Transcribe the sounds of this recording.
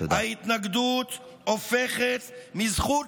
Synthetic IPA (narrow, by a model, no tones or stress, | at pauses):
o̰dait̪naɡd̪ut̪ | ofeχet̪mizχu